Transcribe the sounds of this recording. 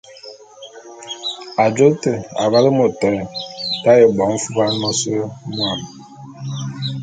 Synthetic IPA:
a˨d͡ʒo˦tə˨a̰˨βa˦lə˦mo˨tɔ˨˦˨ta˦je˨bɔ˨˦ŋ̩˦fu˦ba˦n˦mɔ˦sə˦mwa˨m

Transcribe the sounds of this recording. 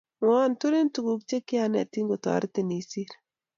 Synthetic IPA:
ŋɔa˦ntu˦ɾi˦ntu˨ɡu˨k̚t͡ʃe˦kɪ˦a˨nɛ˨ti˦ŋɡo˨ta̰˨˦ɾti˨ni˨si˦ɾ

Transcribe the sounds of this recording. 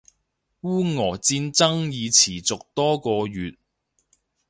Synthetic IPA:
wuː˥ŋɔː˨˩t͡siː˧nt͡sɐ˥ŋjiː˨˧t͡sʰiː˨˩t͡sʊ˨k̚t̪ɔː˥kɔː˧jyː˨t̚

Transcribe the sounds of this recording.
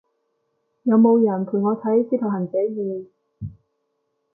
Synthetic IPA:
jɐ˨˧wmo˨˧wjɐ˨˩np̪ʰu˨˩ŋɔː˨˧t̪ʰɐ˨˥jsiː˧t̪ʰɐ˨˩whɐ˨˩nt͡sɛ˨˥jjiː˨˧

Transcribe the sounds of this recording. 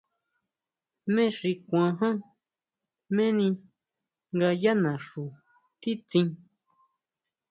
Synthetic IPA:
mẽ˦ʂi˧kʷã˧ɦã˦ | mẽ˦nĩ˧ | ŋɡa˧ja˦nã˨ʂu˨ | t̪i˦t͡sĩ˧

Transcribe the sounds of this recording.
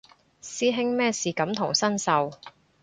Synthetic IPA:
siː˥ɦɪ˥ŋmɛː˥siː˨kɐ˨˥mt̪ʰʊ˨˩ŋsɐ˥nsɐ˨w

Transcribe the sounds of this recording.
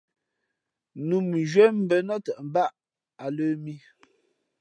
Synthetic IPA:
nu˨m˨ʒɥɛ˦m̩˦bə˨nɔ˦tə˨ʔm̩˨ba˦ʔ | a˨ləː˦mi˦

